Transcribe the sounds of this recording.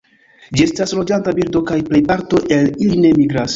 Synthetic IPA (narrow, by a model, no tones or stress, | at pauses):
d͡ʒie̞staslo̞d͡ʒantabiɾdo̞kajple̞jpaɾto̞ʔe̞liline̞miɡɾas